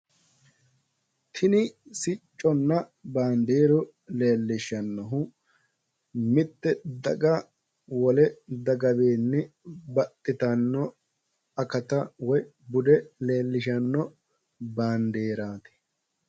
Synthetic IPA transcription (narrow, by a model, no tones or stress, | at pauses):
t̪ʰɪnɪsɪt͡ʃʼːɔnːɐbaːnd̪eːɾɔ | leːlːɪʃɐnːɔɦʊ | mɪt̪ːɛd̪ɐɡɐ | wɔlɛd̪ɐɡɐbeːnːɪbɐt̪ʼːɪt̪ɐnːɔ | ɐkɐt̪ɐwɔj | bʊd̪ɛleːlːɪʃ̬ɐnːɔ | baːnd̪eːɾaːt̪ɛ̥